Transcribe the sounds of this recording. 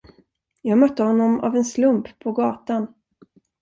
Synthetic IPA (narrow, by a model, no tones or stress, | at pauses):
jɑːɡmœt̪ːəhɔnːɔma̰vɛnslɵmppʰɔɡɑːt̪an